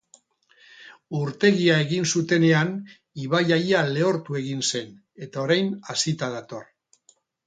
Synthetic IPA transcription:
uɾt̪e̞ɣiae̞ɣinsut̪e̞ne̞an | iβajajale̞o̞ɾt̪ue̞ɣinse̞n | e̞t̪aoɾajnasit̪að̞at̪o̞r

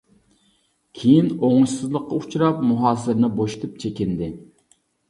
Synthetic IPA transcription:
kʲʰejinoŋuʃsɨzlˠəqːɑut͡ʃʰuɾɑpmuɦɑːsɪɾnɪboʃut̪ʰup̚t͡ʃʰekʲɪnd̪ɪ

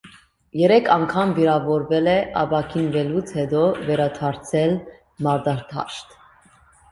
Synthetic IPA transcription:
jɛɾɛkʰɑŋkʰɑmviɾɑvɔɾvɛlɛɑ̰bɑkʰinvɛlut͡sʰhɛd̪ɔvɛɾɑt̪ʰɑɾt͡sʰɛl | mɑɾd̪ɑɾt̪ʰɑ̰ʃt̪

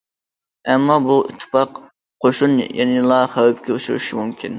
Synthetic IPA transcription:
ɛmːɑbuḭt̪ʰːɨ̥pɑq | qʰoʃunjɛ̰nɪlˠɑχæwɛp̚kʲɛut͡ʃuɾṵʃimumkʲʰin

